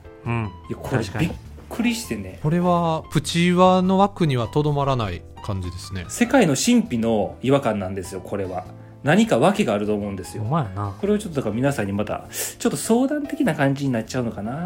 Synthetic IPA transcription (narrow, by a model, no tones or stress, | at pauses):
jakʰo̞ɾebʲikʰː | ɯ̟ɾʲiɕi̥t̪e̞ne̞ko̞ɾe̞βapɯ̟t͡ɕiβano̞βakɯ̟ɲ̟iβat̪o̞d̪o̞maɾanai | kãɲ̟d͡ʑid̪e̞sɨne̞se̞kaino̞ɕĩmpʲino̞iβakãnːãnd̪e̞sɨjo̞kʰo̞ɾe̞βa | naɲ̟ikaβake̞ɡaːɾɯ̟t̪o̞ːmo̞ɯ̟̃nd̪e̞sɨjonako̞ɾe̞βat͡ɕo̞t̪ːd̪akamʲinasãɲ̟ːimat̪a̰t͡ɕo̞t̪ːo̞so̞ːd̪ãnt̪e̞kʲinakãɲ̟d͡ʑiɲ̟inatːt͡ɕaɯ̟no̞kana